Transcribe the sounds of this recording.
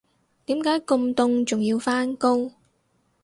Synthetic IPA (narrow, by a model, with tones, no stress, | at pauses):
t̪iː˨˥mkaː˨˥jkʊ˧ŋt̪ʊ˧ŋt͡sʊ˨ŋjiː˧wfaː˥nkʊ˥ŋ